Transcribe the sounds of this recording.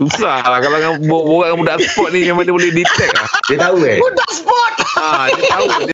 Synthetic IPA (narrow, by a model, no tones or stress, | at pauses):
susalakalakaboʔboɡaʔkãbudaʔansə̥pɔt̪̚nimemãŋdiabolɛhdit̪ɛk̚la̰hdiat̪auɛunt̪ʊk̚səpɔt̪̚ad̪au